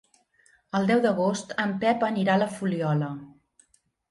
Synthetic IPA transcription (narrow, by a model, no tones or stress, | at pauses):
əlˠd̪ɛwd̪əɣ̞ost̪əmpɛpəniɾaləfuliɔlə